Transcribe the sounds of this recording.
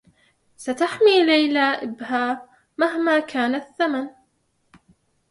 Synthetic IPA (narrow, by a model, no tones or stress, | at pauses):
sat̪aħmiːlajlaʔɪbhaː | mahmaːkʰaːnaθːaman